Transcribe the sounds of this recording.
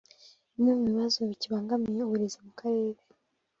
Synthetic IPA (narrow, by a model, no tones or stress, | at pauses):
nimuβiβazo̞βiciβaːŋɡamijeuβuɾezemukʰaɾeːɾe